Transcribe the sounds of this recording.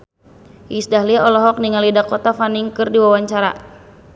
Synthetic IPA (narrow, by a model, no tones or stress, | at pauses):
isdahliɔlɔɦɔk̚niŋalidakɔt̪afaniŋkɨrdiwawaɲt͡ʃaɾa̰